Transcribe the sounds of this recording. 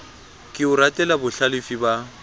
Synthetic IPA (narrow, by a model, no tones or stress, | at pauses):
kʼɪʊɾatʼɛlabʊɬalɪfiba